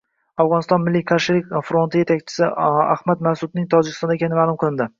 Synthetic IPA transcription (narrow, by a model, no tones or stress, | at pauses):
avʁɒnɪst̪ɒnmɪlːijkʰaɾʃɪlɪk̚ʲfɾo̞nt̪ɪjet̪ʰak̚ʲt͡ʃʰɪ̥sɪa̰hmat̪masʊd̪nɪŋt̪ʰɒd͡ʒɪkʲɪ̥st̪ɒnd̪ekʲʰanɪmaːlʊmqʰɨlˠɪnd̪ɪ